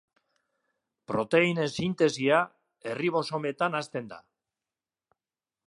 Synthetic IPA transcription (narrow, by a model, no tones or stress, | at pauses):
pɾo̞t̪e̞ine̞nsint̪e̞sia | e̞riβ̞o̞so̞me̞t̪anast̪e̞nd̪a̰